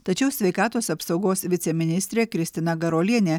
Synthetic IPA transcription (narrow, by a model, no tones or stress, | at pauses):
t̪ɐt͡ʃʲɛʊsʲʋʲɛɪkɑːt̪oːsɐpsɒʊɡoːsʋʲɪt̪sʲɛmʲɪnʲɪsʲt̪ʲɾʲeːkɾʲɪsʲt̪ʲɪnɐɡɐɾoːlʲiɛnʲe